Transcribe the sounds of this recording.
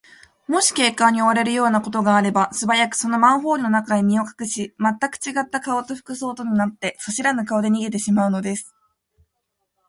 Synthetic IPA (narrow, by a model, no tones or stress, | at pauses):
mo̞ɕi̥ke̞ːkːãɲ̟io̞βaɾe̞ɾɯ̟jo̞ːnako̞t̪o̞ɡaːɾe̞basɨbajakɯ̟̥so̞no̞mãɰ̃ɦo̞ːɾʲino̞nakaaɲimʲio̞kḁkɯ̟ɕimat̪ːakɯ̟̥t͡ɕiɡat̪ːakao̞t̪o̞ɸɯ̥kɯ̟so̞ːt̪o̞ɲ̟inat̪ːe̞so̞ɕiɾanak̬ao̞d̪e̞ɲ̟iɡe̞t̪̬e̞ɕimaɯ̟no̞d̪e̞sɨ̥